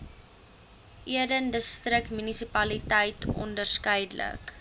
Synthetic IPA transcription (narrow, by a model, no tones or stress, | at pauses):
ʔiədəndəstrək̚tmynisipɐlitəjtɔ̰ndərskəjdlə̰k